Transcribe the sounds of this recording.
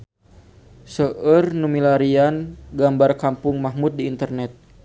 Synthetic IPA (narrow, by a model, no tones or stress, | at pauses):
səʔərnumilaɾianɡambarkampʊŋmaɦmut̪̚diːnt̪ərnɛt̪̚